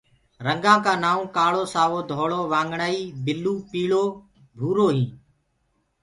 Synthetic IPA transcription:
ɾəŋɡãːkãːnaːũːkaːɭoːsaːʋoːd̪ʱoːɭoːʋãːŋɡɳaːiːbɪluːpiːɭoː | bʱuːɾoːɦĩː

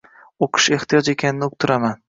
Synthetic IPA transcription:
oqʰɨ̥ʃe̞ht̪ijɒd͡ʒe̞kʲʰanɪnɪʊk̚t̪ʰʊɾaman

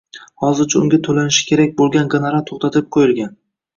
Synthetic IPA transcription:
hɒzɪɾt͡ʃʰaʊŋɡʲat̪ʰolanɪʃɪ̥kʲe̞ɾak̚ʲbolˠɡʲanɡenaɾat̪ʰoχt̪at̪ʰɪp̚qʰojɪlɡʲan

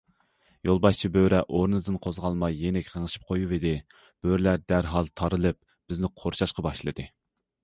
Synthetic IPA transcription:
jolˠbɑʃt͡ʃʰibøɾɛʔoɾnɨd̪ɨnqʰozʁɑlˠmɑjːenɛkʲqʰəŋɨʃi̥p̚qʰojuved̪ɪ | b̥øɾlæɾd̪æɾɦɑlˠt̪ʰɑɾɨlˠɨp̚ | b̥ɪznɪqʰoɾʃɑʃqɑbɑʃlˠɨ̰d̪ɨ

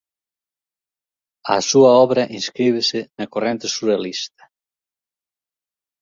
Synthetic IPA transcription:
ɐ̰suɐɔβɾɐʔĩnskɾiβ̞ɪsɪnɐkorent̪esuɾalist̪ɐ̥

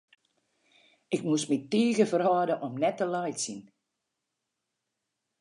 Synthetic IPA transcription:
ɪkmusmitiːɣəfərhɔːdəʔɔmnɛtːəlɔjtsin

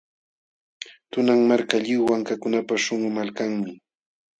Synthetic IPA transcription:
t̪ʊnaŋmaɾkaʎɪwwaŋkakʊnapaʃoŋʊmalkaŋmɪ

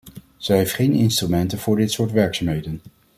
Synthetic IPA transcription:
z̥ɛjɦejftχejnɪ̰nstrymɛntənvʊːɹdɪtsʊːɹtʋɛɹksamɦejdən

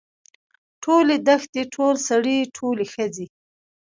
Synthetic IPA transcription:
ʈʰoled̪əxt̪eʈʰolsaɽiʈʰolexəd͡zi

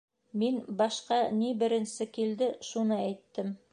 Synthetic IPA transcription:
minbɑʃqɑnibɘ̆ɾɘ̆nsɘkild̪ɘʃunɤæjt̪ːɘm

